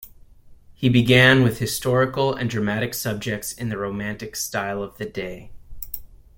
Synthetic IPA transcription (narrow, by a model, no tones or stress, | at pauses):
hibɨɡæ̃nwɨð̥hɨstɔɹɨkl̩ˠɨ̰̃ndɹɨmæɾɨksʌb̚d͡ʒɨk̚tsɨ̃nðɨɹoʊmæ̃ntɨkstaɪlˠʌvðɨdeɪ